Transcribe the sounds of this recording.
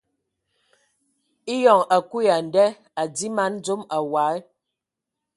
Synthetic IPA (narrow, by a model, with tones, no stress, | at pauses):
i˦jɔ˨ŋa˨ku˦ja˨n˨dɛ˦ | a˨d͡zi˦ma˦n˦d͡zo˦ma˨wa˨˦ɛ˦